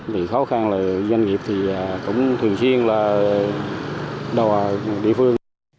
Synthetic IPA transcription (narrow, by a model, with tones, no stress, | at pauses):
vḭ˨xɔ˨˦xa˧nlaː˨˩zwa˧jŋ̟ŋi˨˩əp̚t̪ʰi˨˩aː˨˩kʊ̰˧˥wŋ͡mt̪ʰɨ˨˩əŋswi˧ənlaː˨˩ | ɗɔ˨˩ɗḭ˧˨əfɨ˧əŋ